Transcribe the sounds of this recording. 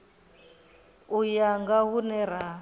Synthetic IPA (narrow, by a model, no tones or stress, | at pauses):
ujaŋɡaɦunɛɾaː